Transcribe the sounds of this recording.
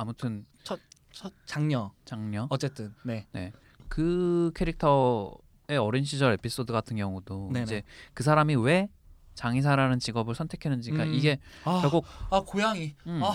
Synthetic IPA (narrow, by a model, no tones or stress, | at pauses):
amutʰɯn | t͡ɕʰʌt̚ | t͡ɕʰʌt͡ɕaŋɲʌt͡ɕaŋɲʌʌt͡ɕ͈et͈ɯnːe̞ne̞̰ | kɯkʰe̞ɾik̚tʰʌ | e̞ʌɾinɕʰid͡ʑʌɾe̞pʰis͈odɯɡatʰɯnɡjʌŋudonid͡ʑe̞kɯs̬ʰaɾamiwe̞ | t͡ɕaŋisʰaɾanɯnt͡ɕiɡʌbɯɭsʰʌntʰe̞kʰe̞nɯnd͡ʑik͈aʔiɡe̞aɾaɡokakojaŋia